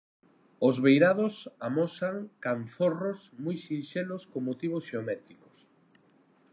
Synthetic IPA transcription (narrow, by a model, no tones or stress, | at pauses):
ozβejɾað̞osamosaŋkanθorosmujsinʃeloskoŋmot̪iβ̞osʃeomɛt̪ɾiko̥s